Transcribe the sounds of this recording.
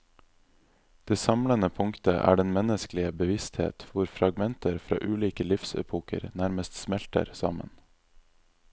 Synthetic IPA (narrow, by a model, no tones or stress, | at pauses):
d̪̥eːsɑmlənəpʰʊŋkt̪ə̰ʔæ̰ːɖɛnmɛnəsklɪəbəʋɪst̪hḛːt̪ʋʊɾfɾɑɡmɛnt̪əɾfɾɑ̰ːʔʉːliːkəlɪfsɛ̰pʰuːkə̰ɾnæɾməst̪smɛlt̪ə̰ɾsɑ̰mə̰n